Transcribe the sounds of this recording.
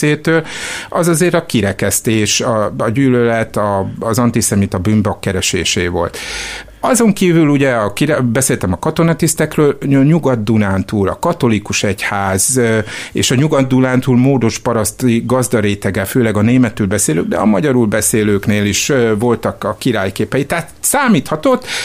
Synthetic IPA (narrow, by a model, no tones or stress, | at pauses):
eːt̪øːlɒzɒzeːɾɒkiɾɛkɛst̪eːʃɒɒɟyːlølɛt̪ɒːzɒnt̪isɛmit̪ɒbyːmbɒkːɛɾɛʃeːʃeːvo̞̰lt̪ | ɒzo̞ŋkiːvyluɟɛɒkiɾɛbɛseːlt̪ɛmɒkɒt̪o̞nɒt̪ist̪ɛkrøːlɲɲuɡɒd̪ːunaːnt̪uːlɒ̰kɒt̪o̞likuʃɛchaːz | ḛːʃɒɲuɡɒd̪ːunaːnt̪uːlmoːd̪o̞ʃpɒɾɒst̪iɡɒzd̪ɒɾeːt̪ɛɡɛføːlɛɡɒneːmɛt̪ːyːlbɛseːløɡ̚d̪ɛ̰ɒ̰mɒɟɒɾulbɛseːløːkneːliʃvo̞lt̪ɒkɒkiɾaːjkeːpɛjit̪ːæːt̪saːmiːt̪hɒt̪o̞t̪ː